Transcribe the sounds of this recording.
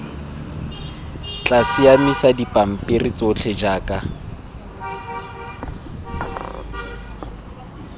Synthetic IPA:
t͡ɬʼasɪamisadipʼam̩pʼɪrit͡sʼʊt͡ɬʰed͡ʒaːkʼa

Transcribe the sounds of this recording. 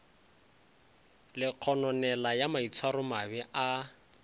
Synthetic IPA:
lɪq͡χʰɔnɔnɛlajamait͡sʰwaɾʊmabɛʔa

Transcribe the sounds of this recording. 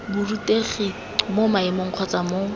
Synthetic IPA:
bʊruteχi | momaɪmoŋ̩q͡χʰɔt͡samo

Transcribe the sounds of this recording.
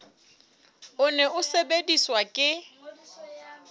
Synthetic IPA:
ʊnɛʔʊsebediswakʼɪ

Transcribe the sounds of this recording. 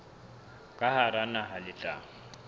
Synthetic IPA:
kʼahaɾanaɦalɪt͡ɬʼa̰ːŋ̩

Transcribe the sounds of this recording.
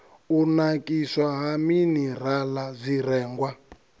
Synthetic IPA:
unakʼiswaɦaminir̤alazʷiɾɛːŋɡwa

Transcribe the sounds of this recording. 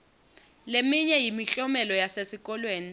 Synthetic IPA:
lemiɲɛjimiɬɔmɛlɔjasesikʼɔlweːni

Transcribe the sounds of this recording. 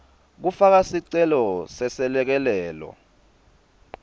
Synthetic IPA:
k̬ufak̬asiǀɛlɔsɛsɛlɛk̬ɛlɛːlɔ̰

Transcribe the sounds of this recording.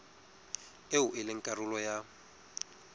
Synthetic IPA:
eʊʔɪlɪŋ̩kʼarʊlɔja

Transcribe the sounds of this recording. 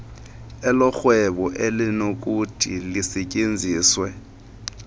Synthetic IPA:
ɛlɔxwɛɓɔʔelinok̬utʰḭlisɛcʼend͡zʱiːswɛ

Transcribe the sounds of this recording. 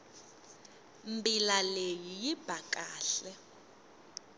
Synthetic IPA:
mbilalejijib̥ʱakʼaːɬɛ

